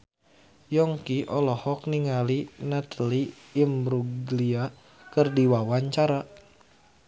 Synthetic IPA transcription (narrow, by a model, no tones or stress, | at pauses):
jɔŋkiʔɔlɔhɔk̚niŋalinat̪liː | mɾuɡlia | kərdiwawaɲt͡ʃaɾa